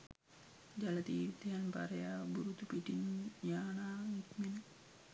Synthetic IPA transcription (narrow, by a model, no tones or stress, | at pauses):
d͡ʒalat̪it̪ianpa̰ɾeabuɾut̪upidinjanaŋikmin